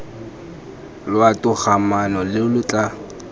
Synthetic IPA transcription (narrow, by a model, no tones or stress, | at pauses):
lʊatʼʊχʰamanɔlɪʊlʊt͡ɬʼa